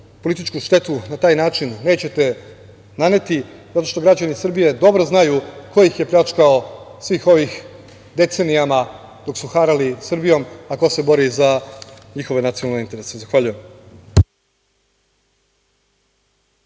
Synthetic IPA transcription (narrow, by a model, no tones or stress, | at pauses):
polit̪it͡ʃkuʃt̪e̞t̪unat̪aːjnaːt͡ʃinːeːt͡ɕe̞t̪e̞ | nane̞t̪izat̪o̞ʃt̪o̞ɡɾad͡ʑanisr̩bije̞d̪o̞bɾo̞znajukʰo̞jixjeplʲat͡ʃkaosʋixo̞ʋix | d̪e̞t̪senijama | d̪̥o̞ksuxaɾalisr̩bijo̞makose̞bo̞ɾizaɲixo̞ʋenat̪sijonalneint̪eɾesezaxʋaʎujem